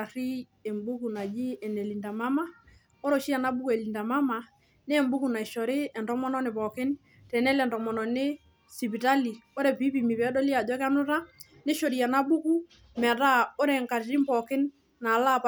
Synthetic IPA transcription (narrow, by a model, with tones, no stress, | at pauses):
a˨ɾi˦ | ɛ˨mbu˦ku˨na˨d͡ʒɪ˦ɛ˨nɛ˨li˨nda˨ma˦ma˦ | o˦ɾo˦˨ʃi˦a˨na˦bu˦ku˦ɛ˨li˨nda˨ma˦ma˨ | nɪ˦ɛ˨mbu˦ku˨na˨i˨ʃɔ˨ɾɪ˦ɛ˨ndɔ˦mɔ˦nɔ˦nɪ˨pɔ˨kɪ˦n | tɛ˨nɛ˦lɛ˨ndɔ˨mɔ˨nɔ˨nɪ˦ | si˨pi˨ta˦li˨o˦ɾɛ˨pi˦pi˨mi˨βɛ˨˦dɔ˦lɪ˦a˨dɛ˦ka˦nʊ˦ɾa˦ | nɪ˦ʃo˨ɾi˨a˨na˦bu˦ku˦ | m˨a˨ta˦o˦ɾɛ˦˨ŋka˨ɾɾi˦mpɔ˨kɪ˦nː | a˨la˦˨p